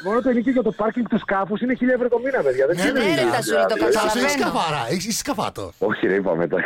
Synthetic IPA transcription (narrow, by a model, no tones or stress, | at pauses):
mo̞not̪ueniceʝɐt̪opɐɾciŋɡt̪uskɐfusineçiʎɐevɾot̪o̞minɐpeðʝɐðenseneisɐðɐseiskɐvɐɾɐeçiseçi̥skɐvɐ̰t̪o̰oçiɾeipɐ̰met̪ɐ